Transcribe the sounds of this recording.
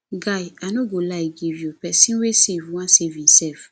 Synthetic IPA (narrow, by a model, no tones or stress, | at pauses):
ɡaianõɡolaiɡiviopɛsĩwesevũwãsevĩsɛf